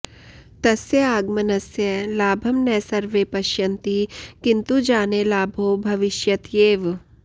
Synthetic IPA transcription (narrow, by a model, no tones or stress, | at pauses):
t̪ɐsjɐaːɡmɐnɐsjɐlaːbʱɐmnɛːsɐɾʋeːpɐʃjɐnt̪ikɪnt̪ud͡ʒaːnelaːbʱoːbʱɐʋɪʃjɐt̪jeːʋ